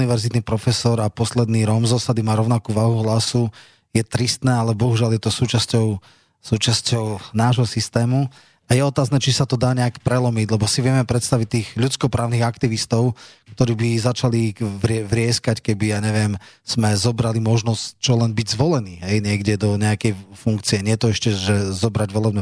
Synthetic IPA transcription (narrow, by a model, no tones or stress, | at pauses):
niʋɛɾzit̪nipɾɔfɛsɔɾapɔslɛd̪niːɾɔmzɔsad̪imaːɾɔʊnakuːʋaːɦuɦlasu | jɛt̪ɾist̪nɛːalɛbɔɦuʒɪaljɛt̪ɔsuːt͡ʃascɔʊ | suːt͡ʃascɔʊnaːʒɦɔsist̪ɛːmu | ajɛɔt̪aːznɛːt͡ʃisat̪ɔd̪aːɲɛakpɾɛlɔmiɟlɛbɔsiʋɪɛmɛpɾɛt̪st̪aʋic̚t̪iːɣʎutt͡skɔpɾaːʊniɣakt̪iʋist̪ɔʊk̚t̪ɔɾiːbizat͡ʃaliʋɾɛʋɾɪɛskackɛbijaːɲɛʋɪɛmz̥mɛzɔbɾalimɔʒnɔsct͡ʃɔlɛnbiɟzʋɔlɛniːɦɛjɲɪɛɡɟɛd̪ɔɲɛakɛjfuŋkt͡siɛɲɪɛt̪ɔɛʃcɛʒɛzɔbɾaɟʋɔlɛbɲɛ